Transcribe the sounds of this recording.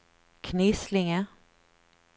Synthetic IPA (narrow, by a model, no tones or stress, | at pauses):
kʰnɪslɪŋə